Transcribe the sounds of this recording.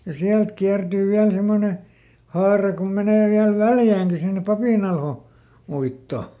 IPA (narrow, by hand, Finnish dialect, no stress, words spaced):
jɑ siælt kiærd̥yː ʋiæl semːone hɑːrɑ kom meneˑ ʋiæl ʋæljæːŋki sinːe pɑpiˑnɑlho uitːo